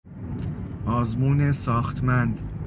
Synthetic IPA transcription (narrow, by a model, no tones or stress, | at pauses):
ʔɒːzmuːnesɒːxt̪ʰmænd̪